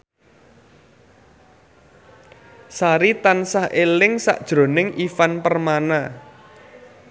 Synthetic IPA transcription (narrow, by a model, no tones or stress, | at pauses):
saɾit̪ansahʔelɪŋsa̰ʔd̥ʒ̥ɾo̤nɪŋifanpərmana